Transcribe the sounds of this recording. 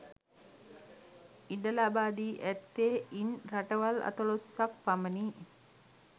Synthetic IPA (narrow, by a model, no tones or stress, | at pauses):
iɖəlabaːd̪iːʔæt̪ːeːʔinraʈəʋala̰t̪əlosːak̚paməniː